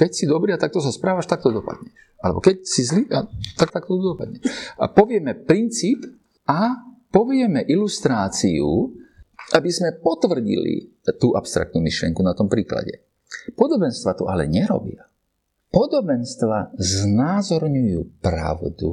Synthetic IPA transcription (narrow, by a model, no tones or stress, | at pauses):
kɛcsid̪ɔbɾiat̪ak̚t̪ɔsaspɾaːʋaʃt̪ak̚t̪ɔd̪ɔpa̰d̪ɲɛʃʔalɛ̰bɔ̰kɛcsizliat̪ak̚t̪ak̚t̪ɔt̪ud̪ɔpad̪ɲɛʃa̰pɔʋɪɛmɛpɾint͡siːp | a | pɔʋɪɛmɛʔilust̪ɾaːt͡siu | ʔabizmɛpɔt̪ʋr̩ɟḭlḭ | t̪uːʔapst̪ɾa̰k̚t̪numiʃlɪɛ̰ŋkunat̪ɔmpɾiːkla̰ɟɛ̰ | pɔd̪ɔbɛnst̪ʋat̪ɔʔalɛ̰ɲɛɾɔ̰bɪa | pɔd̪ɔbɛnst̪ʋaznaːzɔɾɲujṵːpɾa̰ʊd̪ṵ